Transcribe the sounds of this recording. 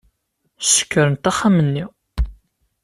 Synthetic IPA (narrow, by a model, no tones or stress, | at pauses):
sə̥kːəɾənt̪æχːamənːi